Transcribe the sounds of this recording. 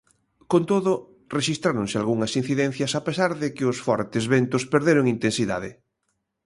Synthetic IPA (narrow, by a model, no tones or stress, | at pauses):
kont̪oðʊ | reʃist̪ɾaɾoŋsɪalɣuŋɐsin̟θiðɛ̃n̟θjɐsapesaɾðɪkɪʊsfɔɾt̪ɪzβent̪ʊspeɾðeɾoŋint̪ẽnsiða̰ðɪ